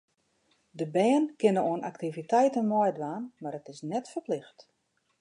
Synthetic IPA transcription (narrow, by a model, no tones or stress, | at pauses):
dəbɛːnkɪnəoənʔaktivitɛjtənmɔjdʋaːnmaɾətɪsnɛtfərplɪxt